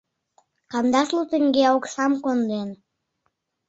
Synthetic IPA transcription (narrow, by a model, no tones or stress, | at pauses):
kɑnd̪ɑslut̪ə̆ŋɡeoksɑmkond̪en